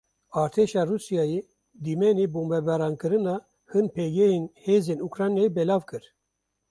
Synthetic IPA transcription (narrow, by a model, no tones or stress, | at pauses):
ɑːɾt̪ʰeʃɑːruːsijɑːje | d̪imɛnebumbɛbɛɾɑːnkɨɾɨnɑː | hɨnpʰɛɡɛjenheːzeːnukɾɑːnjɑːjibɛlɑːvkɨɾ